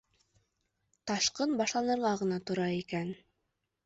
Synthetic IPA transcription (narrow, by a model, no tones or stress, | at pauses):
t̪ɑʃqɤnbɑʃlˠɑnɤ̆ɾʁɑʁɤ̆nɑt̪ŏɾɑikæn